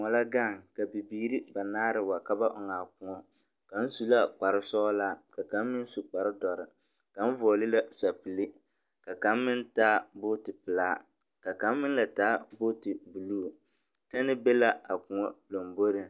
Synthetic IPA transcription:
ŋɔ˨la˦ɡa˦˨ŋka˨bi˨biː˨˦ɾi˦ba˨naː˦ɾɨ˨wa˨ka˦ba˦ʔɔ˨ŋaː˨kʊ˨ŋɔ˦ | ka˨n̩˦su˦la˦k͡pa˨ɾɨ˦sɔ˦la˦ka˨ka˨˦mː˦ɨ˦n̩˦su˨k͡pa˨ɾɨ˦dɔ˨ɾɪ˨ | ka˨˦n̩˦vɔ˨ɔ˨lɪ˦la˦sa˨pɨ˨li˦ | ka˨ka˨˦mːɪ˦ntaː˦bo˦tɨ˨pɨ˨laː˦ | ka˨ka˨˦mːɨ˦n˦la˨taː˦bo˦tɨ˨bu˨luː˦˨ | ta˦nɨ˦be˦la˦a˨kʊ˨ŋɔ˦lo˨mbo˦ɾɨ˨

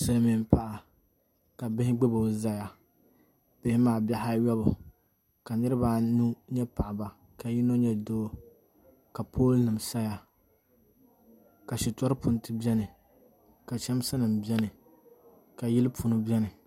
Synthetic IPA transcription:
sɨ˦lmi˨m˦pa˨ʔa˨ | ka˨bɪ˦hɪ˦ɡ͡bɨ˦bo˨˦za˦ja˨ | b̥ɪ˦hɪ˦maː˨bɛ˦ha˦jɔ˦bʊ˨ | ka˨nɨ˦ɾɨ˦ba˦˨nu˦ɲɛ˦pa˨ʔɪ˨ba˨ | ka˨ji˦no˦ɲɛ˦doː˦ | ka˨pʰoː˦lnɨ˨msa˦ja˨ | ka˨ʃi˨tɔ˦ɾɨ˦pʊ˨ntɨ˦bɛ˦nɨ˨ | ka˨t͡ʃɛ˦m˦sa˦nɨ˨m˨bɛ˦nɨ˨ | ka˨ji˦lɨ˦pʰu˨nɨ˦bɛ˦nɨ˨

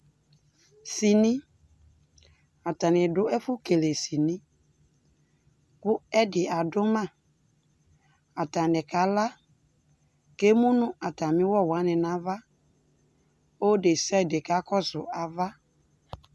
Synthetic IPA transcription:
si˨nĩ˦ | a˨ta˨nɪ˨dʊ˦ɛ˦fʊ˦ke˨le˨si˨nĩ˦ | kʊ˦ɛ˦dɪ˨a˨dʊ˦mã˦˨ | a˨ta˨nɪ˨ka˨˦la˦ | ke˦mũ˦nʊ̃˦ʔa˨ta˨mɪ̃˦wɔ˦˨wa˨˦nɪ˨nã˨˦va˦ | o˦de˨sa˦˨dɪ˨ka˦kɔ˦sʊ˨ʔa˨va˦

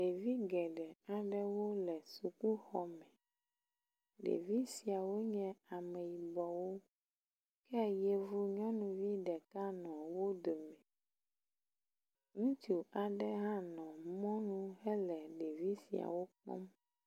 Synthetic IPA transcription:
ɖe˨vi˦ɡɛ˨ɖɛ˨a˨ɖɛ˦wo˦lɛ˨su˨ku˦xɔ˨mɛ̃˨ | ɖḛ˨vi˦si˨a˨wo˦ɲɛ̃˦a˨mɛ˨ji˨bɔ˨wo˦ | kɛ˦je˨vu˦ɲɔ̃˦nũ˨vi˦ɖɛ˨ka˦nɔ̃˨wo˦d̪o˨mɛ̃˨ | ŋũ˦t̪u˨a˨ɖɛ˦ɦã˦nɔ̃˨mɔ̃˦nũ˦ɦɛ˦lɛ˨ɖe˨vi˦si˨a̰˨wo˦k͡pɔ̰̃˦m

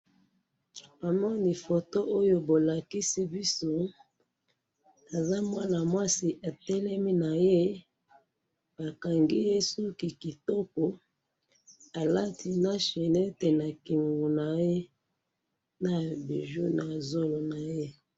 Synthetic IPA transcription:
pa˨mɔ˦ni˨fo˨to˦ʔo˦jo˦bo˨la˨ki˦si˦bi˦so˦ | a˨za˦mwa˦na˨mwa˦si˨ʔa˨tɛ˦lɛ˦mi˦na˨je˦ | ba˨ka˨ŋɡi˦je˦so˦ki˨ki˨tɔ˦ko˨ | a˨la˦ti˨na˦ʃe˨ne˦te˨na˨ki˨ŋɡu˨na˨je˦ | na˨bi˨ʒu˦na˨zo˦lo˨na˨je˦

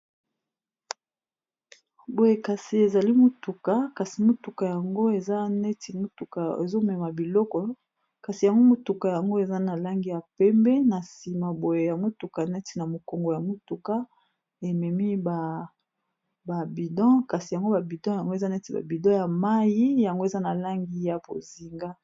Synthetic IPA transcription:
bo˨je˨ka˨si˨e˨za˨li˦mo˦tu˨ka˨ka˨si˨mo˦tu˨ka˨ja˨ŋɡo˦e˨za˦nɛ˦ti˨mo˦tu˨ka˨e˨zo˦mɛ˨ma˨bi˨lɔ˦kɔ˨ | ka˨si˨ja˨ŋɡo˦mo˨tu˨ka˨ja˨ŋɡo˦e˨za˦na˨la˦ŋɡi˦ja˨pɛ˦mbɛ˦na˨si˨ma˨bo˨je˨ja˨ŋɡo˦tu˨ka˨nɛ˦ti˨na˨mo˨ko˨ŋɡo˨ja˨mo˦tu˨ka˦ | e˨mɛ˨mi˦ba˨ | ba˨bi˨dɑ̃˦ka˨si˨ja˨ŋɡo˦ba˨bi˨dɑ̃˦ja˨ŋɡo˦e˨za˦nɛ˦ti˨ba̰˨bi˨dɑ̃˦ja˨ma˦ji˦ja˨ŋɡo˦e˨za˦na˨la˦ŋɡi˦ja˨bo̰˨zi˨ŋɡa˦

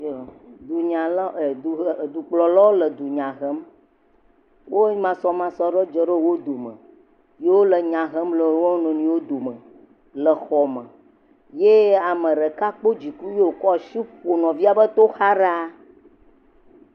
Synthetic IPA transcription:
d̪u˨ɲã˨lu˨d̪u˨k͡plɔ˨la˦wo˦lə˨d̪u˨ɲã˨ɦə˦m | wo˦ɲi˦mã˨sɔ˦mã˨sɔ˦ɖə˦d͡ʒɔ˨ɖə˦wo˦d̪o˨mə̰̃˨ | je˦wo˦lə˨ɲã˨ɦə˦mlə˨wo˦nɔ̃˨nĩ˨˦wo˦d̪o˨mə̃˨ | lə˨xɔ˨mə̃˨ | je˦a˨mə̃˨ɖə˨ka˦k͡po˦d͡ʑi˨ku˦je˦o˨kɔ˦˨ʃi˦ɸo˨nɔ̃˨vi˦a˨bə˦t̪o˦xa˦ɖa˦

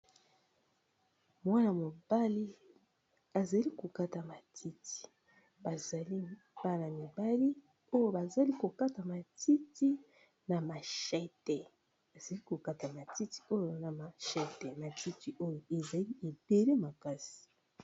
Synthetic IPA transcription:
mwa˦na˨mo˨b̥a˦li˦ | a˨za˨li˦ko˨ka˦ta˨ma˨tʰi˦ti̥˨ | b̥a˨za˨li˦ | b̥a˦la˨mi˨ba˦li˦ | o˦jo˦˨ba˨za˨li˦ko˨ka˦ta˨ma˨ti˦ti˦ | na˨ma˨ʃɛ˦tɛ˨ | a˨z̥a˨li˦ko˨ka˦ta˨ma˨ti˦ti̥˨o˦jo˨na˨ma˨ʃɛ˦tɛ˨ma˨ti˦ti˨ʔo˦jo˨e˨za˨li˦ʔe˨be˨le˦ma˨ka˦si̥˨

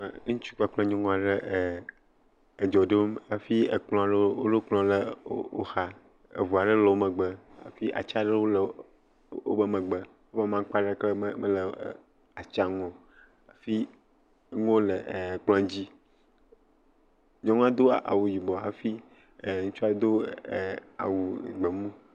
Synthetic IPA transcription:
ŋũ˦t͡ʃu̥˦k͡pa˨k͡plɔ̃˦ɲɔ̃˦ŋɔ̃˨a˨ɖe˦˨ | d͡ʒɔ˨ɖe˦ma˨fi˦ḛ˨k͡plɔ̃˦a˨ɖo˦wo˦ɖo˦k͡plɔ̃˦lḛ˦wo̰˦xa˦ | ḛ˨vu˨a˨ɖe˦lɔ˨o˦mə̃˨ɡ͡bə˦ | a̰˨fi˦ʔa̰˨t͡ʃa˦ɖe˦wo˦lə˨ | o̰˦bə˦mẽ˨ɡ͡bə˦ | wo˦və˦mã˦ŋ˦k͡pa˦ɖe˦ke˦mə˦lə˨ | a˨t͡ʃa˦ŋɔ̃˨ | a˨fi˦ | ŋõ˦le˨k͡plɔ̃˦a˨d͡ʑi˦ | ɲɔ̃˦ŋ˦a˦d̪o˦a̰˨wu˨ji˨bɔ˨a̰˨fi˦˨ | ŋũ˦t͡ʃu˦a˦d̪o˦˨ | a̰˨wu˨ɡ͡be˨mũ˦

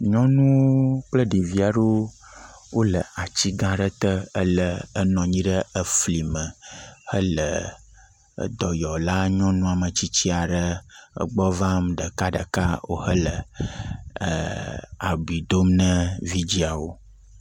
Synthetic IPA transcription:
ɲɔ̃˦nũ˦k͡plə˦ɖi˨vi˦a˨ɖo˦ | wo˦lə˨a˨t͡ɕi˦ɡã˦ɖə˦t̪ə˦ə˦lə˨ə˦nɔ̃˨ɲĩ˦ɖə˦ə˦fli˨mə̃˨hə˦lə̰˨˦ | d̪ɔ˨jɔ˨la˦ɲɔ̃˦nũ˦a˨mə̃˨t͡ɕi˦t͡ɕi˦a˨ɖə˦ə̰˦ɡ͡bɔ˦vã˦mɖə˨ka˦ɖə̰˨ka˦wo̰˦hə˦lə˨ | a̰˨bi˨d̪o˦mnə̃˦vi˦d͡ʑi˦a˨wo˦

